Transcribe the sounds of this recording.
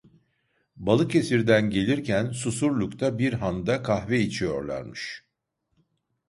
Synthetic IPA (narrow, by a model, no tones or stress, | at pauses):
balˠɯke̞siɾd̪ænɟe̞lʲiɾcʰænsusuɾlʲˠukt̪ʰabiɾɦand̪akʰahvɛit͡ʃʰijo̞ɾlˠa̰ɾmɯʃ